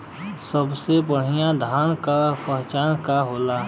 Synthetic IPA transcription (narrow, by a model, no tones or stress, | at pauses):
səbsebəɽ̤ɪjãd̪ʱaːnkapɛɦt͡ʃaːnkaɦoːlaː